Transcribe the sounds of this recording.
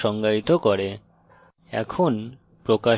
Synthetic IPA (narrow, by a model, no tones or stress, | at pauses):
ɔŋɡait̪okoɾe | ɛ̰kʰon | pɾoka